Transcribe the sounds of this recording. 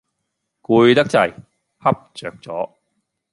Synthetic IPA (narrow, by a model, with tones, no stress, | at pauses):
kuː˧jt̪ɐ˥k̚t͡sɐ˧j | hɐ˥p̚t͡ʃœː˨k̚t͡sɔː˨˥